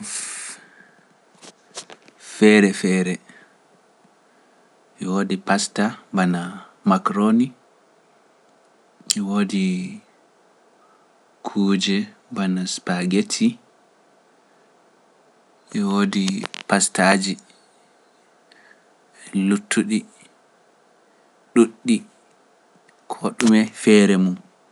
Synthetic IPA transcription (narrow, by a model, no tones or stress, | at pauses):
fɛɾɛfɛːɾɛ | ʔɛwoːdipastabanamakɾoni | ɛwoːdi | kʰuːd͡ʒɛbanaspaɡetʰi | ʔwoːdipastad͡ʒi | ɛlutʰːuɗi | ɗuɗːi | kʰoɗumɛfɛɾɛmum